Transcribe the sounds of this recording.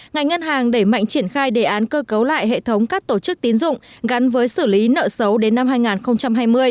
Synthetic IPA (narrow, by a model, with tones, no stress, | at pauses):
ŋa˨˩jŋ̟ŋə˧nɦaː˨˩ŋɗe˧˩ma̰˧˨jŋ̟t͡ɕi˧˩ənxaː˧jɗe˧˨˩ʔaː˨˦nkəː˧kə˨˦wla̰ː˧˨jɦḛ˧˨t̪ʰə˨˦wŋ͡mkaː˦˥k̚t̪o˧˩t͡ɕɨ˦˥k̚t̪i˨˦ənzʊ̰˧˨ŋ͡mɣa˨˦nvəː˨˦jsɨ˧˩li˨˦nə̰ː˧˨sə˨˦wɗe˨˦nːa˧mɦaː˧jŋaː˨˩nxə˧wŋ͡mt͡ɕa˧mɦaː˧jmɨ˧əj